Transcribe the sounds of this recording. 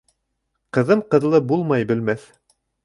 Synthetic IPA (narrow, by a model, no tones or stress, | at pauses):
qɤ̆ðɤmqɤ̆ðlˠɤbulˠmɑjbɘ̆lmæθ